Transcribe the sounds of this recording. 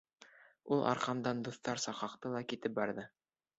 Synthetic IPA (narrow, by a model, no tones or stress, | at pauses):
ulˠʔɑ̰ɾqɑmd̪ɑnd̪uθt̪ɑɾsɑqɑqt̪ɤlˠɑkit̪ɘp̚bɑɾðɤ